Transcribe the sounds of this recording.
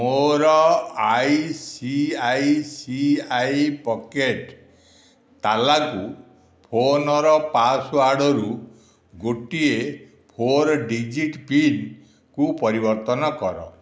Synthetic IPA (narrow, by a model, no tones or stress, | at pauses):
moɾɔajsiajsiajpɔkeʈ | t̪alaku | pʰonɔɾɔpasuaɽɔɾu | ɡoʈie | pʰoɾɖid͡ʒiʈpin | kupɔɾibɔɾt̪ɔnɔkɔɾɔ̰